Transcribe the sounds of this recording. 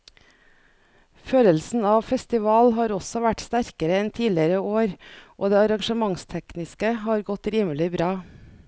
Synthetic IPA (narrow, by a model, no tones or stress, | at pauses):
føːləlsn̩ɑːʋfɛst̪ɪʋɑːlɦɑːɾɔsɔʋæʈst̪æɾkəɾəɛnt̪ʰiːlɪəɾəoːɾʔo̰ːd̪eːɑɾɑŋʃəmɑŋst̪ʰɛknɪskəhɑːɾɡɔt̪ɾiːməlɪbɾɑː